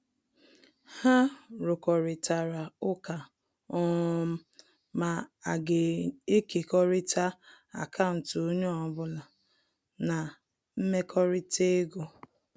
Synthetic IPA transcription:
ha˦ɾʊ˨kɔ˨ɾɪ˨ta˨ɾa˨ʊ˦ka˨ | ɔ˦m̩˦ | ma˨a˨ɡe˨e˦ki˨kɔ˦ɾɪ˦tʰa˦ | a̰˨kʰa˦ʊ˨n̩˨to˦ɲo˦ɔ˨bʊ˦la˨ | na˨ | m̩˦me˦kʰɔ˦ɾɪ˦tʰe˦ɡo˦

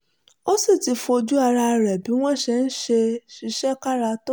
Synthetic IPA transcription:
o˦si˦˨ti˧˦fo˧d͡ʒu˦a˧ɾa˧ɾɛ˨bi˨˦w̃ɔ̃˦˨ʃe˧n̩˦ʃe˧ʃi˧ʃɛ˦ka˦ɾa˧to˦

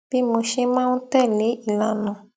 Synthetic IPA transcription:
b̥i˦mo˧ʃe˦mã˦nũ˦tɛ˦˨le˨˦i˦˨la˨nɔ̃˨

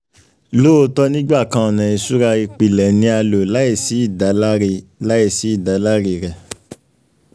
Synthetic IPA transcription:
lo˦o˧˦tɔ˦nĩ˦ɡ͡ba˦˨kã˨˧ɔ˨nã˨i˧su˦ɾa˧i˧k͡pi˨lɛ˨nĩ˧˦a˧lo˨la˦i˦˨si˨˦i˦˨da˨˦lɾla˦i˦˨si˨˦i˦˨da˨˦la˦ɾi˧˨ɾɛ˨

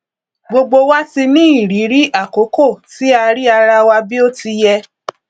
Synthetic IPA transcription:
ɡ͡bo˧ɡ͡bo˧wa˦ti˧nĩ˦i˦˨ɾi˨˦ɾi˦ʔa˦˨ko˨˦ko˦˨ti˦a˧ɾi˦a˧ɾa˧wa˧bi˦o˦ti˧jɛ˧

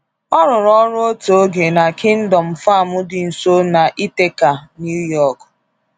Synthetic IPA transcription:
ɔ˦ɾʊ˨ɾɔ˦ɾʊ˦o˦to˨˦ɡe˨na˨kɪ˦n̩˦dɔ˨m̩˨fa˦˨mʊ˦dɪ˨n̩˨so˦na˨ʔi˦te˦ka˨nju˦jɔ˦˨k

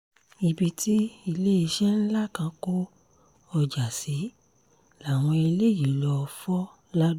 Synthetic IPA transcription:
i˧bi˧ti˦i˧le˦i˧ʃɛ˦n̩˦la˦˨kã˧ko˦ | ɔ˧d͡ʒa˨si˨˦ | la˨w̃ɔ̃˧e˧le˦˨ji˨lɔ˧fɔ˦ | la˦d

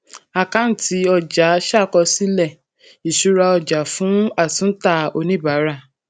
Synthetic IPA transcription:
a˨ka˦n̩˦ti˨˦ɔ˧˨d͡ʒa˨˦ʃa˦˨kɔ˧si˦lɛ˦˨ | i˨ʃu˦ɾa˧ɔ˧d͡ʒa˨fũ˨˦a˦˨sũ˦ta˦˧˨o˧nĩ˦˨ba˨˦ɾa˦˨

